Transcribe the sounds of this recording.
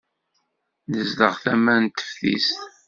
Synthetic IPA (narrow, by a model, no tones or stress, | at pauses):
nəzləʁθæmænt̪ːə̥fθḭst̪